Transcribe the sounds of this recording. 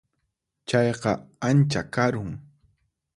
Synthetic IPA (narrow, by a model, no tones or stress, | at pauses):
t͡ʃɑjɢɑant͡ʃakaɾʊŋ